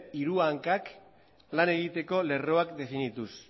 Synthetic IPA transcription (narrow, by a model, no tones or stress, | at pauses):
iɾuaŋkak | lane̞ɣit̪e̞ko̞le̞ro̞akd̪e̞finit̪us